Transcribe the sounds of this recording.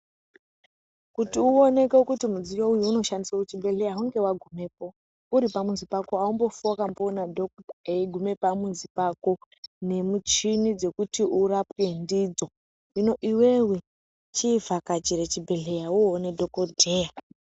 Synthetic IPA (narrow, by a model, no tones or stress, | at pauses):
kutiuo̞ne̞keokutimud͡zijoujuuno̞ʃandisout͡ʃibʱe̞ɮe̞jaɦuŋɡe̞waɡʱume̞p̚o̞ | uɾipamunzipakoaumbo̞fwakamboːnadʱokeɡʱume̞pamunzipako̞ | ne̞mut͡ʃinid͡ze̞kutiʔurapke̞ndid͡zo̞ | ino̞ʔiwe̞we̞ | t͡ʃivakat͡ʃiɾet͡ʃibʱe̞ɮe̞jaonedʱo̞kodʱe̞ːja